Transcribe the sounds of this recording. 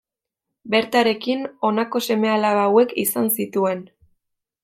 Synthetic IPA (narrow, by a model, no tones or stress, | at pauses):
be̞ɾt̪aɾe̞kino̞nako̞se̞me̞alaβawe̞kḭsansit̪ue̞n